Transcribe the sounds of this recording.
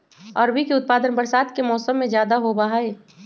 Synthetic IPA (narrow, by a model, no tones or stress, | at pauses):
ɔːɾbʱikeʊt̪̚paːd̪ənbəɾsaːt̪kemɔːsəmːẽd͡ʒjaːd̪aɦobaɦaeː